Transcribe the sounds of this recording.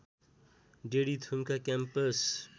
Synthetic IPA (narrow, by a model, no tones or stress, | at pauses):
ɖeɽit̪ʰumkakampəs